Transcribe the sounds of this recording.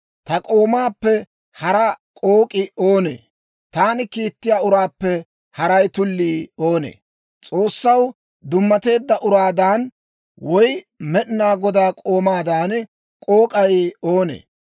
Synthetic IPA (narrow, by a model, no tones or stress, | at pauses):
t̪ɐkʼo̞ːmaːpːɛ | hɐɾɐkʼoːkʼɪoːnḛː | t̪aːnɪkiːt̪ːɪjaːʊɾaːpːɛ | hɐɾɐjt̪ʊlːiːo̞ːnḛː | t͡sʼo̞ːsːɐw | d̪ʊmːɐt̪e̞ːd̪ːɐʔʊɾaːd̪aːn | wɔj | mɛɗnaːɡɔd̪aːkʼo̞ːmaːd̪aːn | kʼo̞ːkʼɐjo̞ːnḛː